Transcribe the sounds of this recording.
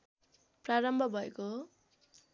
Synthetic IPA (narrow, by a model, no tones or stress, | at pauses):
praɾʌmbʱʌbʱʌeko